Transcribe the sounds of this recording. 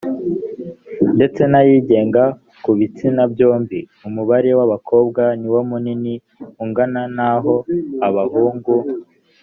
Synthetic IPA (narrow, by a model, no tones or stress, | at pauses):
nde̞t͡se̞najiːɟe̞ːŋɡa | kuβit͡sinabjo̞ːmbi | umuβaɾe̞waβakʰo̞ːbɡaniwomunini | uŋɡananaɦo̞aβahuːŋɡu